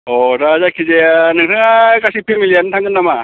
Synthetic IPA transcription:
ɔɾad͡ʑakʰid͡ʑeanɯŋsʰeŋaɭkaɕʰipʰemilːianɯnt̪ʰaŋɡɯnːama

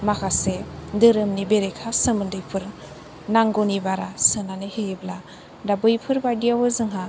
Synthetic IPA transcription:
makʰasedɯɾɯmnibeɾekʰasɯmɯndɯjpʰɯɾ | naŋɡɔnibaɾasɯnanɯhebla | dabɯjpʰɯɾbajdiawɯzɯŋɦa

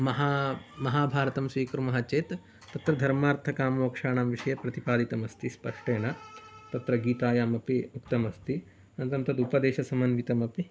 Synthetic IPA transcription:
mɐɦaːmɐɦaːbʱaːɾɐt̪ɐmsʋiːkɾumɐɦat͡ʃeːt̪ | t̪ɐt̪ɾɐd̪ʱɐɾmaːɾt̪ʰɐkaːmɐʋɐkʂaːɳaːmʋiʂɐjɐpɾɐt̪ipaːd̪it̪ɐmɐst̪ispɐʂʈeːɳɐt̪ɐt̪ɾɐɡiːt̪aːjaːmɐpiukt̪ɐmɐst̪ʰi | ɐnt̪ɐmt̪ɐd̪upɐd̪eːʃɐsɐmɐnʋit̪ɐmɐpi

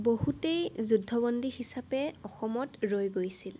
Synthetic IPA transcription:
bohutejzudʱːɔbɔndihisapɛɔxɔmɔtɹojɡojsil

